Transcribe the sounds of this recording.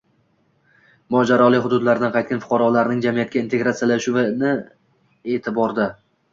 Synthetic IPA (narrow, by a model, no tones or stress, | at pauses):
mɒd͡ʒaɾɒlˠɪɦʊd̪ʊd̪laɾd̪anqʰɑjt̪kʲanfʊ̥qʰɑɾɒlaɾnɪŋd͡ʒamijat̪̚kʲaɪnt̪ʰe̞ɡɾat̪sijalaʃʊvɪnɪ | e̞t̪ʰɪbɒɾd̪ɪ